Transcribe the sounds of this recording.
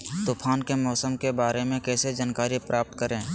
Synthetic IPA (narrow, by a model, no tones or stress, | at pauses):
t̪upʰaːnkemɔːsəmkebaːɾemẽkɛːsed͡ʒaːnkaːɾipɾaːp̚t̪̚kəɾẽː